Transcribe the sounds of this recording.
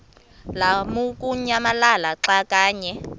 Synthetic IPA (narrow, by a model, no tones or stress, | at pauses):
lamukʼuɲamalalaǁakʼaːɲɛ